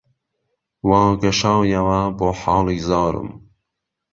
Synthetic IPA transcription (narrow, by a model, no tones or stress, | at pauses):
wɑːɡɐʃɑːwjɐwɐboːħɑːliːzɑːɾɨ̰m